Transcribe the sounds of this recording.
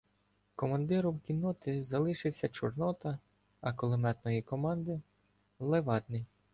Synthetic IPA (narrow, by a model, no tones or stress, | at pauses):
kɔmɐnd̪ɪɾʊwkʲinːɔt̪ɪzɐlˠɪʃɪwsʲɐt͡ʃɔrnɔt̪ɐ | ɐkɔlˠɔmɛt̪nɔjikɔmɑnd̪ɪ | lˠeʋɑd̪nɪj